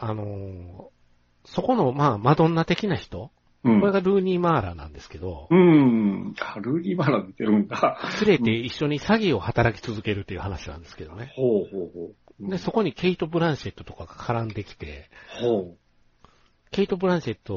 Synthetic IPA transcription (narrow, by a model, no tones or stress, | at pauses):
ano̞ | so̞ko̞no̞maːmad̪õ̞nːat̪e̞kʲinaçi̥t̪o̞ | ɯ̃ko̞ɾe̞ɡaɾɯ̟ːɲʲiːmaːɾa̰nã̰nd̪e̞sɨ̥ke̞d̪o̞ɯ̟̃ | aɾɯ̟ːɲʲiːmaːɾad̪et̪eɾɯ̟̃nd̪asɨɾe̞t̪e̞iɕːo̞ɲ̟isaɡʲio̞hat̪aɾakʲi̥t͡sɨzɨke̞ɾɯ̟t̪ːe̞iɯ̟hanaɕinã̰nd̪e̞sɨ̥ke̞d̪o̞ne̞hoːhoːhoː | d̪e̞so̞ko̞ɲ̟ike̞it̪o̞bɯ̟ɾãɰ̃ɕe̞t̪ːo̞t̪o̞kaɡakʰaɾãnd̪e̞kʲi̥t̪e̞̰ho | ke̞it̪o̞bɯ̟ɾãɰɕe̞t̪ːo̞